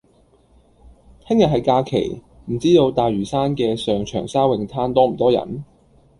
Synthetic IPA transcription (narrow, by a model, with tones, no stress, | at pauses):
t̪ʰɪ˥ŋjɐ˨t̚ɦɐ˨jkaː˧kʰḛ˨˩j | m̩˨˩t͡siː˥t̪o˨˧wt̪aː˨jɥyː˨˩saː˥nkɛː˧sœː˨˩ŋt͡ʃʰœː˨˩ŋsaː˥wɪ˨ŋt̪ʰaː˥nt̪ɔː˥m̩˨˩t̪ɔː˥jɐ̰˨˩n